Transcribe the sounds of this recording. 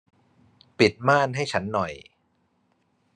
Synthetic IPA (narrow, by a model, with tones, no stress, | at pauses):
pi˨˩t̪̚maː˥˩nɦa˥˩jt͡ɕʰa˦˥nːɔ˨˩j